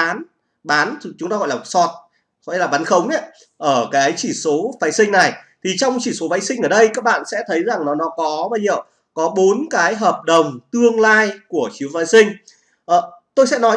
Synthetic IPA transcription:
aː˨˦n | ɓaː˨˦nt͡ɕʊ˨˦ŋ͡mt̪aː˧ɣɔ̰˧˨laː˨˩sɔ˨˩t̚ | ɣɔ̰˧˨laː˨˩ɓaː˨˦nxə˨˦wŋ͡mʔa˨˦ | ʔəː˧˩kaː˨˦jt͡ɕi˧˩so˨˦vaː˨˦jsï˧ŋ̟na˨˩jt̪ʰi˨˩t͡ɕɔ˧wŋ͡mt͡ɕi˧˩so˨˦vaː˨˦jsï˧ŋ̟ʔəː˧˩ɗə˧jkaː˦˥k̚ɓa̰ː˧˨nsɛ̰˧˥t̪ʰə˨˦jza˨˩ŋnɔ˨˦nɔ˨˦kɔ˨˦ɓaː˧zi˧˨ə˨w | kɔ˨˦ɓo˨˦nkaː˨˦jɦəː˨˩p̚ɗə˨˩wŋ͡mt̪ɨ˧əŋlaː˧jku˧˩ət͡ɕi˨˦əwvaː˨˦jsï˧ŋ̟ | ʔəː˨˩t̪o˧jsɛ̰˧˥nɔ˨˦

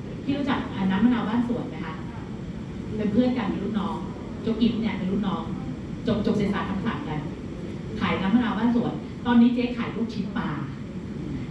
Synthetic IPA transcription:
t̪ʰiː˥˩ɾu˦˥t͡ɕa˨˩k̚ʔaː˨˩naː˦˥mːa˧nʔaː˧wbaː˥˩nsu˨˩˦ənːa˦˥kʰa˦˥ʔ | pe˧npʰɯ˥˩ənka˧nmi˧ɾu˦˥˩nnɔː˦˥ŋ | t͡ɕo˧˦˥k̚ʔi˦˥t̪̚ni˥˩ɐpe˧nɾuː˦˥˩ɔː˦˥ŋ | t͡ɕo˨˩p̚t͡ɕo˨˩k̚seː˨˦saː˨˩k̪ʰa˧mtʰa̰ː˨˩˦ŋka˧n | kʰaː˩˦jnaː˦˥mːa˧nʔaː˧wbaː˥˩nsu˨˩ən | t̪ɔː˧nːiː˦˥t͡ɕeː˦˥kʰaː˨˩˦jluː˥˩k̚t͡ɕʰi˦˥t̪̚paː˧

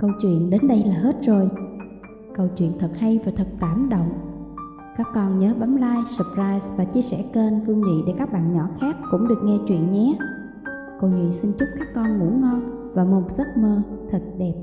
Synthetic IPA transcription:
kə˧wt͡ɕwḭ˧˨ənɗe˨˦nɗə˧jlaː˨˩ɦe˦˥t̚z̥o˨˩j | kə˧wt͡ɕwḭ˧˨ənt̪ʰə˨˩t̚ha˧jvaː˨˩t̪ʰə˨˩t̚t̪aː˧˩mɗə̰˧˨wŋ͡m | kaː˦˥kːɔ˧nɲəː˨˦ɓa˨˦mlaː˧jsə˨˩p̚zaː˧jsvaː˨˩t͡ɕi˧əsɛ˧˩ke˧nvɨ˧əŋɲḭ˧˨ɗe˧˩kaː˦˥k̚ɓa̰ː˧˨nɲɔ˧˩xaː˦˥k̚kʊ̰˧˥ŋ͡mɗɨ˨˩ək̚ŋɛ˧t͡ɕwḭ˧˨ənɲɛ˨˦˥ | kə˧wŋwḭ˧˨nsi˧nt͡ɕu˦˥p̚kaː˦˥kːɔ˧nŋṵ˧˩˥ŋɔ˧nvaː˨˩mo˨˩ŋ͡mzə˦˥t̚məː˧t̪ʰə˨˩t̚ɗɛ˨˩p̚

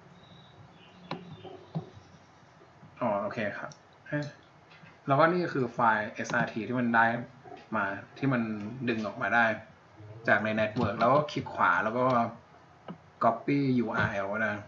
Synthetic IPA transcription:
ʔɔː˨˩˦ʔoː˧˩kʰeː˧kʰa˦˥p̚ | ʔaː˥˩ | lɛ˦˥wkɔː˥˩niː˥˩kʰɯː˧faː˧jʔe˧˩sʔaː˧t̪ʰiː˧t̪ʰiː˥˩ma˧ndaː˦˧˩jmaː˧t̪ʰiː˥˩ma˧ndɯ˧ŋʔɔː˨˩k̚maː˧daː˥˩j | t͡ɕaː˨˩k̚na˧jnɛ˦˥t̪̚wɤː˧˩k̚lɛː˦˥wkɔː˥˩kʰi˦˥t̪̚kʰwa̰ː˩˦lɛː˦˥wkɔː˥˩ | kɔ˦˥pːiː˥˩juː˧ʔaː˧ʔɛ˧˩wka˥˩aː˧˩

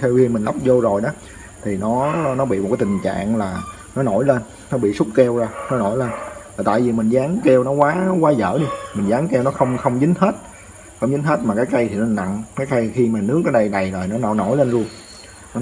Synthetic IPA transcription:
t̪ʰɛ˧wvi˧mi˨˩ŋla˦˥wk͡p̚zo˧zo˨˩jɗɔ˨˦ | t̪ʰi˨˩nɔ˨˦nɔ˨˦ɓḭ˧˨m̚˨˩kaː˦t̪i˨˩ŋ̟t͡ɕa̰ː˧˨ŋlaː˨˩ | nɔ˨˦no˧˩˦jle˧nːɔ˨˦ɓḭ˧˨su˦˥k͡p̚kɛ˧wzaː˧nɔ˨˦no˧˩jle˧nvaː˨˩t̪a̰ː˧˨jvi˨˩mï˨˩ŋ̟zaː˨˦ŋkɛ˧wnɔ˨˦kwaː˨˦ɔ˦kwaː˨˦zə̰ː˧˩ɗi˧mï˨˩ŋzaː˨˦ŋkɛ˧wnɔ˨˦xə˧wŋ͡mxə˧wŋ͡mzɨ˨˦ŋheː˦˥t̚ | xə˧wŋ͡mzɨ˨˦ŋ̟ɦeː˦˥t̚maː˨˩kaː˨˦jka˧jt̪ʰi˨˩n˨na̰˧˨ŋkaː˨˦jka˧jxi˧maː˨˩nɨ˦˥ək̚ʔəː˨˦ɗə˧jna˨˩jzɔ˨˩jnɔ˨˦nɔ˨˦no˧˩˦jle˧nlu˧əŋ | ɔ˨˦

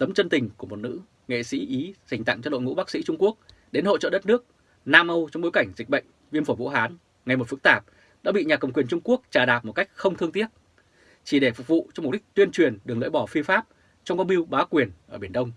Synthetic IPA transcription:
t̪ə˨˦mt͡ɕə˧nt̪ï˨˩ŋ̟ku˧˩əmo˨˩t̚nɨ̰˧˥ | ŋḛ˧˨sḭ˧˥ʔi˨˦za˨˩ŋ̟t̪a̰˧˨ŋt͡ɕɔ˧ɗo̰˧˨jŋṵ˧˥ɓaː˦˥k̚sḭ˧˥t͡ɕʊ˧ŋ͡mku˦˥ək̚ | ɗe˨˦nho̰˧˨t͡ɕə̰ː˧˨ɗə˦˥t̚nɨ˦˥ək̚ | naː˧mʔə˧wt͡ɕɔ˧ŋ͡mɓo˨˦jka˧˩jŋ̟zi̟˨˩ɓə̰˧˨jŋ̟ | vi˧ənfo˧˩vṵ˧˥ɦaː˨˦n | ŋa˨˩jmo˨˩t̚fɨ˦˥k̚t̪aː˨˩p̚ | ɗa̰ː˧˥ɓḭ˧˨ɲaː˨˩kə˨˩wŋ͡mkwi˨˩ənt͡ɕʊ˧ŋ͡mku˦˥ək̚t͡ɕaː˧˩ɗaː˨˩p̚mo˨˩t̚ka˦˥jk̟̚xə˧wŋ͡mt̪ʰɨ˧əŋt̪i˦˥ət̚ | t͡ɕi˧˩ɗe˧˩fʊ˨˩k͡p̚vṵ˧˨t͡ɕɔ˧ŋ͡mm̚˨˩˦k̚t̪wi˧ənt͡ɕwi˨˩ənɗɨ˨˩əklə̰ː˧˥jɓɔ˧˩fi˧əfaː˦˥p̚ | t͡ɕɔ˧wŋ͡mka˧wŋ͡mi˧əwɓaː˨˦kwi˨˩ənʔəː˧˩ɓi˧˩ənɗə˧wŋ͡m

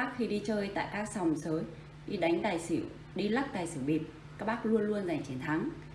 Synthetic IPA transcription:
aː˦˥k̚xi˧ɗi˧t͡ɕəː˧jt̪a̰ː˧˨jkaː˦˥k̚sa˨˩wŋ͡msəː˨˦j | ɗi˧ɗa˨˦ŋ̟ɗ̪aː˧˩jsḭ˧˩˨w | ɗi˧lə˦˥k̚ɗ̪aː˨˩jsɨ̰˧˩wɓi˨˩p̚ | kaː˦˥k̚ɓaː˦˥k̚lu˧ənlu˧ənza˧˩jŋ̟t͡ɕe˨˦nt̪ʰa˨˦ŋ

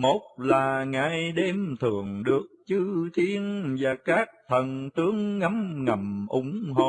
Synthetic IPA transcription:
mo˨˥t̚laː˨˩ŋaː˨˩jɗe˧mt̪ʰɨ˨˩əŋɗɨ˨˩ək̚t͡ɕɨ˧t̪ʰi˧ənvaː˨˩kaː˦˥k̚t̪ʰə˨˩nt̪ɨ˨˦əŋːa˨˦mŋə˨˩mʔʊ˨˦ŋ͡mɦo˧˨

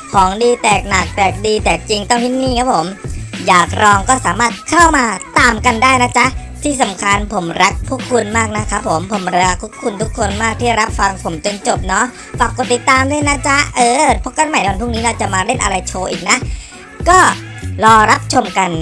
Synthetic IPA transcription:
kʰɔː˩˦ŋdiː˧t̪ɛː˨˩k̚na˨˩k̚t̪ɛː˨˩k̚diː˧t̪ɛː˨˩k̚t͡ɕi˧ŋt̪ɔ˥˩ŋt̪ʰiː˦˥˩niː˥˩kʰa˦˥pʰo˩˦mjaː˨˩k̚ɾɔː˧ŋkɔː˥˩saː˩˦maː˥˩t̪̚kʰa˥˩wmaː˧t̪aː˧mka˧ndaː˥˩jna˦˥t͡ɕʰa˦˥ʔt̪ʰiː˥˩sa˩˦mkʰa˧npʰo˩˦mɾa˦˥k̚pʰu˥˩kʰːu˧nmaː˥˩k̚na˦˥kʰa˦˥pʰːo˩˦mpʰo˨˩˦mɾa˧˦kʰːu˦˥p̚kʰu˧nt̪ʰu˦˥kʰːo˧nmaː˥˩k̚t̪ʰiː˥˩˧ɾa˦˥p̚fa˧ŋpʰo˩˦mt͡ɕo˧nt͡ɕo˨˩p̚nɔ˦˥ | pa˨˧˩pkːo˨˩t̪ːi˨˩t̪ːaː˧mdaː˥˩˨jna˦˥t͡ɕʰa˦˥ʔɤː˧pʰɔ˦˥ka˧˥˩nma˨˩˦n˧wnpʰu˥˩niː˦˥ɾa˧˩wt͡ɕa˨˩maː˧ɾe˥˩nʔa˧ɾa˧jt͡ɕʰoː˧ʔiː˨˩k̚na˦˥ʔ | kɔː˥˩ɾɔː˧ɾa˦˥p̚t͡ɕʰo˧mka˧n

